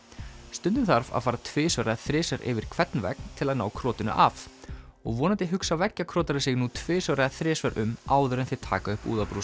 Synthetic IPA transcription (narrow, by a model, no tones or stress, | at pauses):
st̪ʏnt̪ɪnθaɾva̰ðfaːɾat̪ʰvɪːsvœɾaðθɾɪːsɛɾʔɪ̰vɪɾ̥kʰvɛt̪nvɛ̰k̚n̥t̪ʰɪlaðnaːwkʰɾɔːt̪ɪnʏ̰ʔa̰vɔɣvɔːnat̪ɪɦʏksavɛcːakʰɾɔːt̪aɾɪsɪɣnut̪ʰvɪːsœɾaðθɾɪːsvɛɾʔʏmaːwðʏɾɛnθɪt̪ʰaːkaʏhpṵːðapɾuː